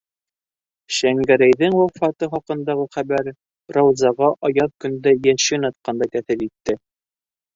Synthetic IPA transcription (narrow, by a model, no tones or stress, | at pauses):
ɕæŋɡæɾæjðɘŋwæfɑt̪ɤχɒqɤ̆nd̪ɑʁɤχæbæɾ | rɑwzɑʁɑʔɒjɑðkɵ̆nd̪æjænʃɘnɑt̪̚qɑnd̪ɑkæθɘlit̪ːɘ